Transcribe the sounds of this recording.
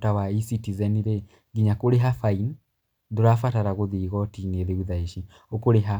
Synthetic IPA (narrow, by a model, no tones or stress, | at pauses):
tawaisitizɛniɾe | ɡiɲakoɾeɦafain | ðoɾafataɾaɣoðiɣɔtineðeuðaiʃi | okoɾeɦa